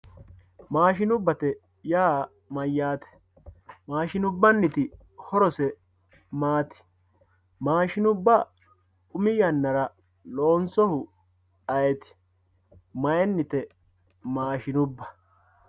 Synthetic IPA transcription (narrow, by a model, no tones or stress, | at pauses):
maːʃɪnʊbːɐt̪ɛ | jaː | mɐjːaːt̪ɛ̥ | maːʃɪnʊbːɐnːɪt̪ɪ | hɔɾɔsɛ | maːt̪ɪ̥ | maːʃɪnʊbːɐ | ʊmɪjɐnːɐɾɐ | loːnsɔhʊ | ɐjɛt̪ɪ̥ | mɐjɛnːɪt̪ɛ | maːʃɪnʊbːɐ̥